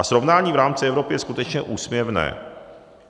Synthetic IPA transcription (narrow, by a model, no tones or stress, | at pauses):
asɾo̞vnaːɲiːvɾaːmt͡sɪɛvɾo̞pɪjɛskut̪ɛt͡ʃɲɛʔuːsmjɲɛvnɛ̰ː